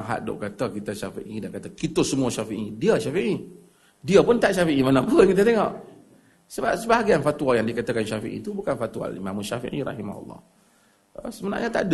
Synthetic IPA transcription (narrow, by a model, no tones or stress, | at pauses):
ɦa̰ʔdo̰ʔkat̪akit̪aʃafḭʔidankat̪akit̪osəmuaʃafiʔidiaʃafiʔi | diapʊnt̪aʔʃafiʔimanapəŋkit̪at̪eŋɔʔ | səbap̚səbaɦaɡianfat̪ualjaŋdikat̪akanʃafḭʔḭt̪ubukanfat̪ua̰lḭmamuʃafḭʔḭɾɑ̰hima̰hṵlˠːɑ̰h | ə̰səməna̰ʔɲat̪a̰ʔd